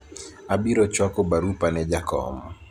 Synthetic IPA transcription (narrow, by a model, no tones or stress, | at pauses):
abiɾɔt͡ʃwakɔbaɾupanɛd͡ʒakɔ̰mɔ